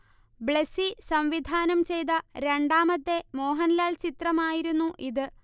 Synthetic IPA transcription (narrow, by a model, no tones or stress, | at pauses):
bɭesisɐmʋid̪ʱaːnɐmt͡ɕe̞jt̪̬ɐɾe̞ɳɖaːmɐt̪ːe̞mo̞ːɦɐnlaːlt͡ɕit̪rɐmaːjiɾunːuʔiðɨ